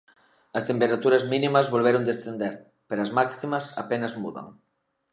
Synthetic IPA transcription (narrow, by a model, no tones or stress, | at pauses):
ɐst̪empeɾat̪uɾɐzminĩmɐzβolβ̞eɾond̪esθend̪eɾ | peɾoɐzmaksimɐsa̰penɐzmuðɐ̰ŋ